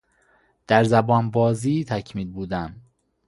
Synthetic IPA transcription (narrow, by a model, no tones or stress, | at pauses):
d̪̥æɾzæbɒːnbɒːziːt̪ʰæcʰmiːlbuːd̪æm